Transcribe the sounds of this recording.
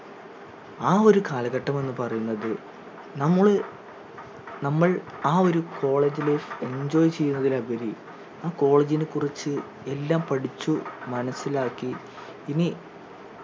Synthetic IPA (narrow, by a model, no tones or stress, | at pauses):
aːo̞ɾukaːlɐɣɐʈːɐme̞nːɨpɐrɐjunːɐðɨ | nɐmːɐɭɨ | nɐmːɐɭaːo̞ɾukʰo̞ːɭe̞ːd͡ʑilee̞ɲd͡ʑo̞ːjt͡ɕe̞jːunːɐðilɐbɐɾi | aːko̞ːɭeːd͡ʑinekːurit͡ɕːɨ | e̞lːaːmpɐɽit͡ɕːumɐnɐsːilaːkːiː | ni